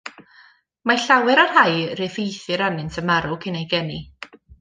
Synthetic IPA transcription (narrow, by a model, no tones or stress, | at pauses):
maɬawɛɾarɦajrɪvejθɨɾanɪntʰəmaɾʊkʰɪnejɡɛni